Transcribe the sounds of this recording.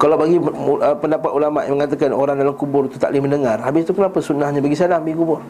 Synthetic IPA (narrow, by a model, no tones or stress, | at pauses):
kalawbaɡiʔəpəndapat̪̚ulamaʔməŋat̪akanoɾaŋdalamkubʊrt̪ut̪a̰ʔliməndəŋarhabɪst̪ukənapasunahɲabaɡisadaŋbaɡikubʊr